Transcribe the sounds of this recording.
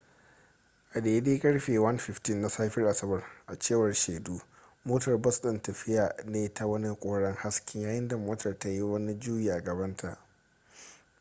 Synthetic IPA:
ʔa˨deː˨deː˦kʼɐ˦ɽɸeː˨wɐ˦nɸɪ˨ɸtɪ˦nːa˨saː˦ɸɪ˦rʔa˨sɐ˦bɐ˨rʔa˨t͡ʃeː˦˨wɐ˨rʃeː˨duː˦ | moː˦tɐ˨rbɐ˦sɗɪ˨ntɐ˨ɸɪ˦jaː˨neː˦ta˨wɐ˦ni˦kʷʼoː˦ɽɐ˦ŋha˦skʲɪ˦ŋjaː˦jɪ˦nda˨moː˦tɐ˨rta˦ji˦wɐ˦ni˦d͡ʒuː˦ji˨ɡɐ˨bɐ˦ntʰa˨ʔ

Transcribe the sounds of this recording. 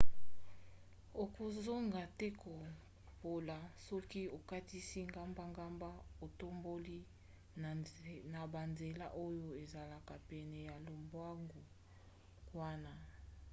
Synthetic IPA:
o˨ko˨zo˦ŋɡa˨tɛ˦ko˨ | po˨la˨sɔ˦ki˦o˨ka˦ti˦si˦ŋɡa˦mba˦ŋɡa˦mba˦o˨to˦mbo˦li˦ | na˨ba˨nze˨la˦ʔo˦jo˦e˨za˨la˨ka˨pɛ˨nɛ˨ja˨lo˨mbwa˦ŋɡo˨ | kwa˦na˦

